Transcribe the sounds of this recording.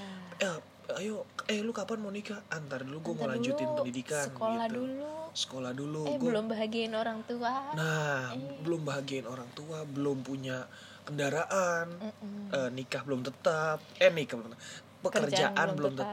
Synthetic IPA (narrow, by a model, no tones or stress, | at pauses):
a | ajoɛlukapanmonikaant̪aɾduluɡuɛŋəlaɲd͡ʒuɪnpəndidikanolahdulusə̥kolahduluɡlʊmbaɦaɡiaɪnoɾaŋt̪uanahbəlʊmbaɦaɡiaɪnoɾaŋt̪uabəlʊmpuɲa | kəndaɾaʔanənikahbəlʊmt̪ət̪ap̚ɛnikablm | pəkərd͡ʒaʔannbəlʊmt̪ə